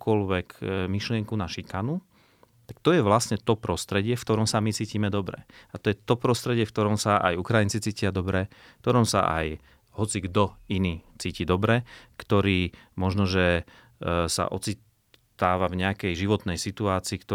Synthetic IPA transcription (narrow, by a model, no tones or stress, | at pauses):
kɔlʋɛkmiʃlɪɛŋkunaʃikanu | t̪akt̪ɔjɛʋlasɲɛt̪ɔpɾɔst̪ɾɛɟɪɛfkt̪ɔɾɔmsamit͡siːciːmɛd̪ɔbɾɛ̰at̪ɔjɛt̪ɔpɾɔst̪ɾɛɟɪɛfkt̪ɔɾɔmsaʔa̰jukɾajint͡sit͡siːcɪad̪ɔbɾɛ | kt̪ɔɾɔmsa̰ʔa̰j | hɔt͡siɡd̪ɔiniːt͡siːcid̪ɔbɾɛkt̪ɔɾiːmɔʒnɔʒɛ | sa̰ʔɔ̰t͡si | t̪aːʋavɲɛakɛjʒiʋɔt̪nɛjsit̪uaːt͡siːkt̪ɔ